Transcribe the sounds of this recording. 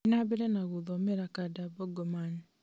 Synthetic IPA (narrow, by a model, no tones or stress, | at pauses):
naβɛɾɛnaɣoðɔmɛɾakadabɔɡɔman